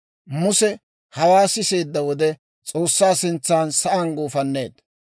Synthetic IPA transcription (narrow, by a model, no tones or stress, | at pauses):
mʊsɛ | hɐwaːsɪse̞ːd̪ːɐwɔd̪ɛ | t͡sʼo̞ːsːaːsɪnt͡sːaːnsɐʔɐnɡoːfɐnːe̞ːd̪